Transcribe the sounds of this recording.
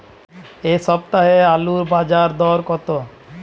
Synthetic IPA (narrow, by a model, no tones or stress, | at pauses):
eʃɔb̚t̪aɦealuɾbad͡ʑaɾd̪ɔɾkɔt̪o